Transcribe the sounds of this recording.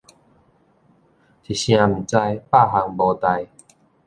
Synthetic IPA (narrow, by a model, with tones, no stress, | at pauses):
tʰi˨˩ɕj̃ã˧m̩˨˩t͡sa˧jpa˥˨ɦa˧ŋbɔ˧t̪a˧j